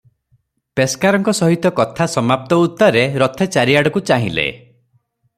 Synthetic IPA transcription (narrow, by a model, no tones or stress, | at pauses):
peskaɾɔŋkɔsɔɦit̪ɔkɔt̪ʰasɔmap̚t̪ɔut̪ːɔɾeɾɔt̪ʰet͡ʃaɾiaɽɔkut͡ʃaɦḭ̃lḛ